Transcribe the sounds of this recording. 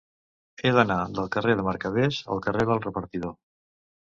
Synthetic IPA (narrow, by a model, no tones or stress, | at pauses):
eðənaðəlˠkəreðəmaɾkəβ̞ezə̰lˠkəreðəlˠrəpəɾt̪iðo